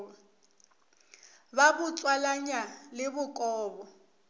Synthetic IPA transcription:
babʊt͡sʼwalaɲalɪbʊkʼɔːbɔ

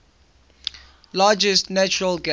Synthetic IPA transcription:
laːd͡ʒəstnat͡ʃʊɹəlɡa

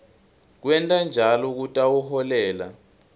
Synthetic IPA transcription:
k̬wɛntʼand͡ʒʱalɔk̬utʼawuhɔlɛːla̰

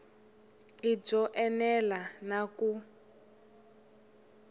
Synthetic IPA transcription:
lid͡zɔʔɛnɛlanaku

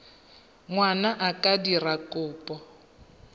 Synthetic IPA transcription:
ŋwanaʔakʼadirakʼʊːpʼɔ

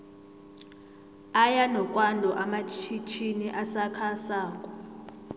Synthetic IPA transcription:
ajanɔkʼwandʱɔʔamat͡ʃʰit͡ʃʰiniʔasakʰasaːkʼɔ

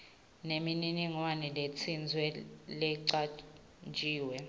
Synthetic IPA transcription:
nemininiŋwanɛlet͡sʰind͡zʱwɛlɛǀa | nd͡ʒʱiːwɛ

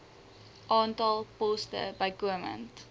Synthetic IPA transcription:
ʔɑːntɑlˠpɔstə̰bɐjkuəmə̰̃nt

